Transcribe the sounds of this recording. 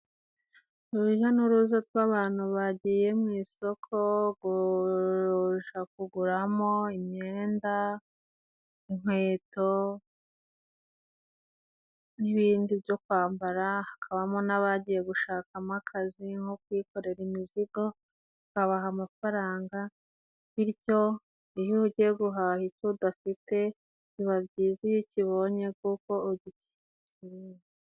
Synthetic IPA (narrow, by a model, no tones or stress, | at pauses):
uɾuʒanuɾuzatwaβaːn̥huβaɟiːje̞mŋiːso̞kʰo̞ɡuɾoʒak̚uɡuɾamo̞imɲe̞ːnda | iŋ̥we̞ːto̞ | niβiːndibjo̞kwaːmbaɾahakʰaβamonaβaɟije̞ɡuʃaːkamakʰaziŋhokwiːko̞ɾe̞ɾimiziɡo̞ | kaβaɦamafaɾaːŋɡa | βiɾɟo̞ | ijuuɟieɡuɦahicudafite̞ | iβabɟiːzijiciβo̞ɲe̞kuko̞ːɟici̥ | ciɾije